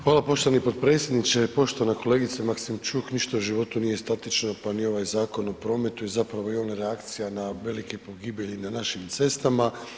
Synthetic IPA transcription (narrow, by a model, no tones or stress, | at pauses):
xʋaːlapo̞ʃt̪o̞ʋanipo̞d̪̚pɾe̞ːt̪sʲje̞d̪nit͡ʃepo̞ʃt̪o̞anako̞le̞ɡit̪semaksimt͡ʃuːkniʃt̪aoʒiʋo̞t̪unije̞st̪at̪it͡ʃnopanio̞ʋajzaːko̞nopɾo̞ːme̞t̪ujezapɾaʋo̞ionɾeakt̪sijanaʋe̞likepo̞ɡiːbjeʎinanaʃimt̪se̞st̪ama